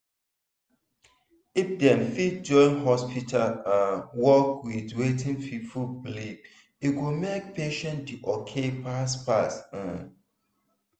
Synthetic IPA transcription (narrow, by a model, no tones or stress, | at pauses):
ifdɛ̃nfit̚d͡ʒɔ̃nɦɔspitʰalãnwɔkwidwetʰĩnfifublib̚ | iɡumek̚peʃɛ̃ndiʔɔkʰepaspas̩